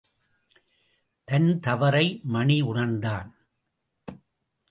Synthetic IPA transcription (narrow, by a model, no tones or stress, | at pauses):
t̪ɐnt̪ɐʋɐɾɐɪmɐɳiʊɳɐɾnd̪aːn